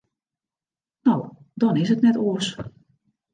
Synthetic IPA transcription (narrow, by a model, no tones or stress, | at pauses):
now | dɔnɪsɦətnɛtoəs